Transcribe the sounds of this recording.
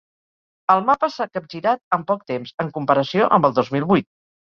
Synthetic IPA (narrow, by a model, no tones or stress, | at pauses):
əlˠmapəsakəp̚ʒiɾat̪̚əmpɔk̚t̪emzəŋkumpəɾəsioʔə̰mbəlˠd̪ozmilˠβujt̪̚